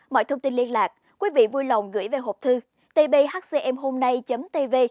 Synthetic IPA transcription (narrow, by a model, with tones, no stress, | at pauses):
mɔ̰˧˨jt̪ʰə˧wŋ͡mt̪i˧nli˧ənlaː˨˩k̚ | kwi˨˦vḭ˧˨vu˧jlə˨˩wŋ͡mɣɨ̰˧˩˨jve˨˩ɦo˨˩p̚t̪ʰɨ˧ | t̪e˧ɓe˧ɦaː˦˥k̚se˧ʔɛ˧mɦo˧mna˧jt͡ɕə˨˦mt̪e˧ve˧